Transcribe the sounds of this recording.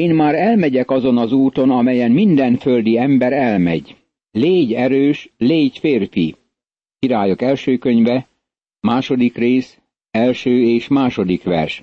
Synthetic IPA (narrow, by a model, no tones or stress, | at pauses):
eːnmaːɾɛlmɛɟɛkɒzo̞nɒzuːt̪o̞nɒmɛjɛnmind̪ɛnføld̪iɛmbɛɾɛlmɛ̰ɟ | leːɟɛɾøːʃleːɟfeːrfḭ | kiɾaːjokɛlʃøːkøɲvɛ | maːʃo̞d̪ikreːs | ɛlʃøːeːʃmaːʃo̞d̪ikʋɛ̰rʃ